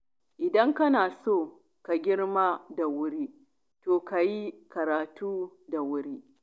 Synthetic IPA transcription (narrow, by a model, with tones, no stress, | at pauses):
ʔɪ˨dɐ˦ŋkɐ˦naː˨soː˦˨ | ka˨ɡʲɪ˦ɽmaː˦da˨wʊ˦ɾiː˦ | toː˨ka˨ji˦kɐ˨ɾaː˨tuː˦da˨wʊ˦ɾiː˦